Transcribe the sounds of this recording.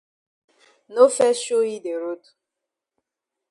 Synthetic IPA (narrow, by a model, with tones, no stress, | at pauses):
no˦fɛ˦ʃo˦i˦de˨ɾo˦du̥˨